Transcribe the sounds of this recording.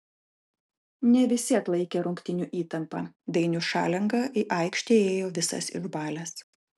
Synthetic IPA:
nʲɛʋʲɪsʲiɛklˠɐɪkʲeɾʊŋʲkt̪ʲɪnʲuʔiːt̪ɐmpɑːd̪ɐɪnʲʊʃɑ̰ːlʲɛŋɡɐːʔiʔɐɪkʃʲt̪ʲeːeːjoːʋʲɪsɐ̰sɪ̰ʒbɑːlʲɛːs

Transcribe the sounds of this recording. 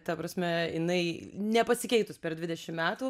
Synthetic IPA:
t̪ɐpɾɐsʲmʲɛjɪnɐɪnʲɛpɐsʲɪkʲɛɪt̪ʊspʲɛɾdʲʋʲɪd̪ʲɛʃʲɪmmʲæːt̪uː

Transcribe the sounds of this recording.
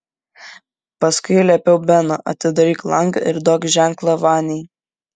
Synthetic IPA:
pɐskʊɪlʲɛpʲɛʊbʲɛnoʔɐ̰t̪ʲɪd̪ɐɾʲiːklˠɐŋɡɐ̰ʔɪɾd̪oːkʒʲæŋklˠɐʋɑːnʲɛj

